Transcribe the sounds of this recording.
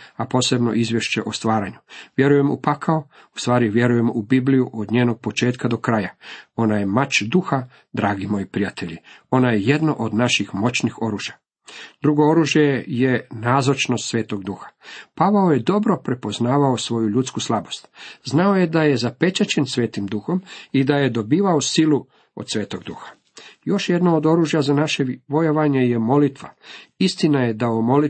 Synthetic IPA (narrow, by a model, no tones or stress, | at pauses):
apo̞ːse̞bno̞̰ʔizʋje̞ʃt͡ɕe̞ʔo̞st̪ʋaːɾaɲuʋje̞ɾuje̞mṵpakʰao | ust̪ʋaːɾiʋje̞ɾuje̞mubiblijuʔod̪ɲeːno̞ɡ̚po̞t͡ʃe̞ːt̪kad̪o̞kɾajao̞naje̞mat͡ɕd̪uxa | d̪ɾaːɡimo̞jipɾijat̪ʰe̞ʎio̞najeje̞d̪no̞ʔod̪naʃixmo̞t͡ɕnixo̞ɾuːʒja | d̪ɾuɡo̞o̞ɾuʒje̞je̞naːzot͡ʃnost̪sʋeːt̪o̞ɡd̪uxḁpaʋaoje̞d̪o̞bɾo̞pɾe̞po̞znaːʋaosʋo̞juʎut̪skuslˠabo̞st̪znaoje̞d̪aje̞zape̞t͡ɕat͡ɕe̞nsʋeːt̪imd̪uxo̞mid̪aje̞d̪o̞biːʋaosilˠu | od̪sʋe̞ːt̪o̞ɡd̪uxḁ | jo̞ʃje̞d̪nood̪o̞ɾuːʒjazanaʃeʋo̞jeʋaɲejemo̞lit̪ʋa̰ist̪inaje̞d̪aomo̞li